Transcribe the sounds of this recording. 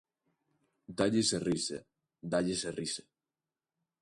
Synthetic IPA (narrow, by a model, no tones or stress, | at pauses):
d̪aʎɪserisḛ | d̪aʎeserise̥